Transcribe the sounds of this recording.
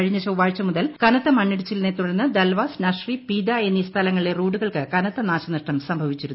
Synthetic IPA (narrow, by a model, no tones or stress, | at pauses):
ɐɻiɲːɐɕɐuʋaːɻt͡ɕːɐmuðɐlkɐnɐt̪ːɐmɐnːiɽut͡ɕːilnet̪ːuɽɐnːɨd̪ɐlʋaːsnɐʂripiːd̪aenːist̪ʰɐlɐŋːɐɭile̞ruːɽuɣɐɭkɨkɐnɐt̪ːɐnaːɕɐnɐʂʈɐmsɐmbʱɐʋit͡ɕːiɾu